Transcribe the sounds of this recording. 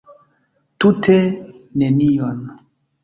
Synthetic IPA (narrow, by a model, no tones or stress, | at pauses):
tutʰenenion